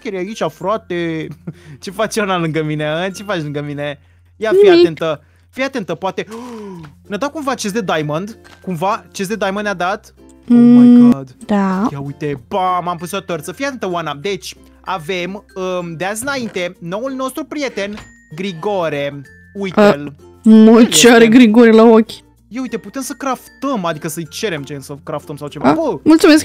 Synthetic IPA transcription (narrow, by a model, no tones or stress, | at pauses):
kʲeɾjait͡ʃafɾat̪e | t͡ʃe̞fat͡ʃanalɨŋɡəmineət͡ʃe̞fat͡ʃlɨŋɡəmine̞ | jafiat̪ent̪ə | fijat̪e̞nt̪əpoat̪e̞ | ned̪awkumvat͡ʃes̬d̪ed̪ajmənd̪ | kumvat͡ʃes̬d̪e̞d̪ajmənd̪ad̪at̪ | d̪d̪̥ajaujt̪ebamampusit̪ot̪ərt̪səfijeat̪ɨnt̪əwanad̪e̞t͡ʃʲ | a̰ve̞məd̪eazʲɨnaint̪e̞no̞wulno̞st̪ɾupɾije̞t̪e̞n | ɡɾiɡo̞ɾe | ujtel | mət͡ʃeaɾeɡɾiɡoɾelaokʲ | jeujt̪e̞put̪e̞msəkɾaft̪əmad̪ikəsəɨjt͡ʃe̞ɾemt͡ʃensəkɾaft̪əmsawt͡ʃevaabəmult̪sumesk